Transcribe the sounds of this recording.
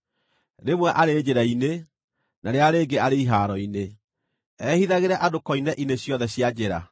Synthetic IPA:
ɾemwɛʔaɾeːd͡ʑeɾaine | naɾeaɾeːɡeaɾeiɦaːɾɔine | ɛhiðaɣeɾɛʔadokɔinɛʔineɕjɔðɛɕjad͡ʑeɾa̰

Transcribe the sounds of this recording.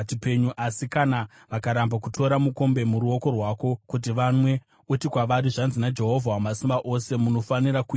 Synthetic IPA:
t͡ʃipe̞ɲuʔasikana | ʋakaɾambakutʰo̞ɾamuko̞mbe̞muɾuo̞ko̞rwako̞kut̬iʋamwe̞ | utikwaʋaɾiʐanzinad͡ʒe̞ɦo̞vʱawamasimbaʔo̞se̞muno̞faniɾaku

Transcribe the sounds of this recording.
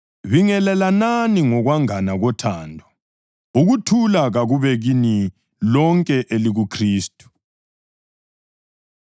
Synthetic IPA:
βiŋɛlɛlananiŋɔɣwaŋanaɣɔtʰaːndʱɔ | uɣutʰulaɣaɣuβɛɣini | lɔŋkʼɛʔeliɣukʰriːstʼu̥

